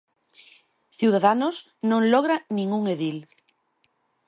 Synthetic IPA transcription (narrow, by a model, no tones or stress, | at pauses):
θjuwðaðanoz | nõŋloɣɾanĩŋuŋeðil